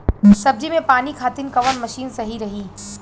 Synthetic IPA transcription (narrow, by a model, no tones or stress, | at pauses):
sɐb̚d͡ʒimẽpaːnikʰaːt̪ɪnkɐʋənmɐʃiːnsɐɦiɾɐɦiː